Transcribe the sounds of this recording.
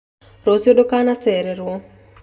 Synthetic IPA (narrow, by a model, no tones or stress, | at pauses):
rosiodokanasɛɾɛɾwɔ